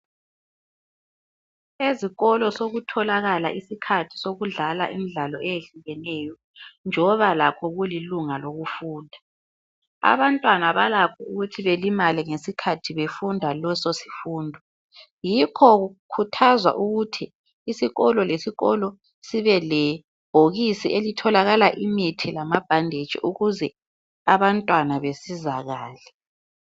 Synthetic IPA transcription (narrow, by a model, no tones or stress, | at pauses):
eziɣɔlɔsoɣutʰɔlaɣala̰ʔisikʰatʰi̥soɣuɮala̰ʔimiɮalɔejeɬuɣɛnɛːjɔ | nd͡ʒʱɔβalakʰɔɣuliluŋaloɣufuːndʱa | a̰βantʼwanaβalakʰɔuɣutʰiβelimaliŋesikʰatʰiβefundʱalɔsosi̥fuːndʱɔ | jikʰɔɣukʰutʰazwa̰ʔuɣutʰiː | siɣɔlɔlesiɣɔlɔ | siβɛlɛ | b̥ʱoɣisiʔelitʰɔlaɣalaʔimitʰilamab̥ʱandʱed̥ʒ̥ʱḭʔuɣuzɛ | aβantʼwanaβesizaɣaːlɛ